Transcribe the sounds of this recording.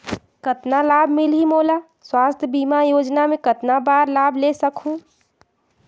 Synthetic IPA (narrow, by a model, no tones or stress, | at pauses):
kət̪nalaːbʱmɪlɦimoːla | swaːst̪ʰjəbiːmajoːd͡ʒnamẽkət̪nabaːɾlaːbʱlesəkʰũ